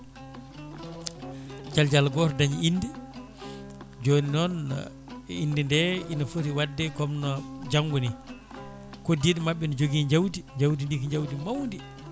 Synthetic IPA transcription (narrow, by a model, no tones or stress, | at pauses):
d͡ʒald͡ʒalɡɔɾdaɲiinːdi | d͡ʒoninɔn | indindɛinɔfoɾiwadːɛkɔmnɔd͡ʒaŋɡuni | kɔdiɗmaɓːɛnɔd͡ʒoɡiːɲd͡ʒawdiɲd͡ʒawdindikɲd͡ʒawdimawndi